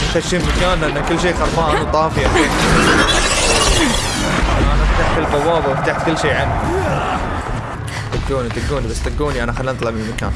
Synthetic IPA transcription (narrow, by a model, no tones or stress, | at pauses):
xaʃːiːnmakaːnːʔɪnːakɪlːʃ̬iːxɑɾˤfaːnwt̪ˤɑːfɪja | aaʔanabt̪aːʕħfilbɑwːɑːðawbt̪aːħt̪kɪlːʃiːʕanːi | t̪ɪɡːuːnit̪ɪɡːuːnibasːt̪aɡːuːniʔanaxalːint̪ˤlɑʕmɪlmaka̰ːn